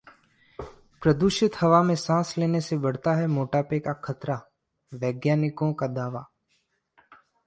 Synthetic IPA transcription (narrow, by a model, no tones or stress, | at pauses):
pɾəd̪ʊʃɪt̪hɐʋamẽsãːsleːnesebɐɽ̤t̪aɦɛmoːʈaːpekakʰət̪ɾa | ʋɛːɡjaːnɪkõkad̪aːʋaː